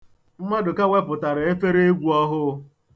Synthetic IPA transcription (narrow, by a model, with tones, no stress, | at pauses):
m̩˦ma˦dʊ˨ka˦we˦pʊ˨ta˨ɾe˨e˦fe˦ɾe˦e˦ɡʷu˦ɔ˦ɦʊ˦